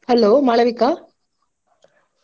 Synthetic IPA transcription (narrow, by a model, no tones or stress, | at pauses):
hɐloːmaɭɐʋikːaː